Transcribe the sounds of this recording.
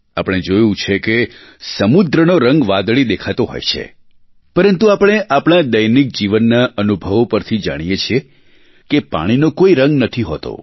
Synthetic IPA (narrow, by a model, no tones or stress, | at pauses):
apəɽ̃ed͡ʒojũt͡ʃʰeke | səmud̪ɾənoɾəŋɡʋad̪ɭid̪ekʰat̪oɦo̰jt͡ʃʰḛ | pəɾənt̪uapəɽ̃eʔapəɽ̃ad̪əjnik̚d͡ʒiʋənːaʔənubʱəʋopəɾt̪ʰid͡ʒa̰ɽ̃ijet͡ʃʰie | kepa̰ɽ̃inokoiɾəŋɡnət̪ʰiɦot̪o̰